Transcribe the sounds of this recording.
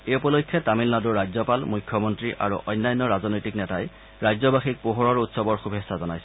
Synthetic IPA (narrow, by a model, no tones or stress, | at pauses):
eupɔlojkʰjɛtamilnaduɹːajzɔpalmujkʰːjɔmɔntɹiʔa̰ɹṵʔɔjnːajɔnːɔɹazɔnojtiknɛtaj | ɹajzɔbaxik̚poɦɔɹɔɹutsɔbɔɹxubʱesazɔnajsɛ̥